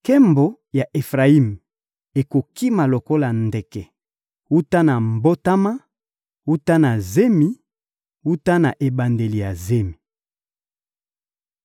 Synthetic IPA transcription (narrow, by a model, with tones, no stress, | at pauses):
kɛ˦mbo˨ | ja˨ʔe˨fʁa˨i˦˨m | e˨ko˨ki˦ma˨lo˨ko˦la˨ndɛ˨kɛ˨ | wu˦ta˦na˨m˨bo˦ta˦ma˦ | wu˦ta˦na˨ze˦mi˨ | wu˦ta˦na˨ʔe˨ba˨nde˨li˨ja˨ze˦mi˨